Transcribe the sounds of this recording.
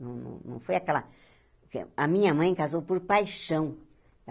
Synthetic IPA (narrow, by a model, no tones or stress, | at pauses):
nɐ̃w̃nɐ̰̃w̃nɐ̰̃w̃fojakɛlɐ̰ | kḛɐmĩɲɐmɐ̃j̃kazowpoɾpajʃɐ̃w̃